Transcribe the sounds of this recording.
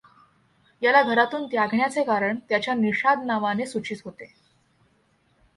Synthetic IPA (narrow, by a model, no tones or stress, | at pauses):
jalaɡʱəɾat̪uːnt̪jaɡʱɳjat͡sekaɾəɳt̪jat͡ɕjaniɕad̪naʋanesut͡ɕiːt̪ɦot̪e